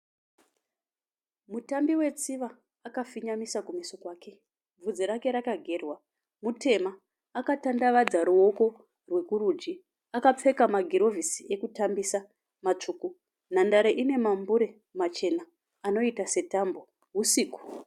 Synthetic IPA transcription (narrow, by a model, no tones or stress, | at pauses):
mutambiwe̞t͡siʋaː | kafiɲamisakumisokwaːke̞ | b͡vud͡ziɾake̞ɾakaɡʱe̞rwa | mutʰe̞maː | katandaʋad͡zaɾuo̞ko̞ | rwe̞kuɾud͡ʒi | akap͡fe̞kamaɡʱiɾo̞visiekutambisa | mat͡ʂuːku | n̤andaɾeʔine̞mambuɾe̞ | mat͡ʃe̞naː | no̞itase̞tambo̞ | ɦusiːku̥